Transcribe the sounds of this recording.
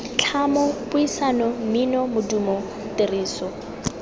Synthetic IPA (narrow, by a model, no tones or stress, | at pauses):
t͡ɬʰamɔpʊisanɔm̩minɔmʊdumɔ | tɪriːsɔ